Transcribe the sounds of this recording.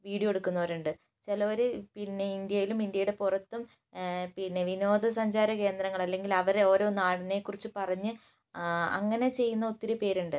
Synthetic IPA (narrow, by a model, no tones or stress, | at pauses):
ʋiːɽijɐoe̞ɽukːunːɐʋɐɾuɳɖɨ | t͡ɕelɐoɾupinːe̞ind̪jɐjilumind̪jɐjuɽe̞purɐt̪ːum | pinːe̞ʋino̞ːd̪ʱɐs̬ɐɲd͡ʑaːɾɐke̞ːnd̪ɾɐŋːɐɭɐlːe̞ŋɡilɐʋɐɾo̞ːɾo̞ːnaːɽine̞kːurit͡ɕːɨpɐrɐɲːɨ | ɐ̰ŋːɐne̞t͡ɕe̞jːunːɐot̪ːiɾupe̞ːɾuɳɖɨ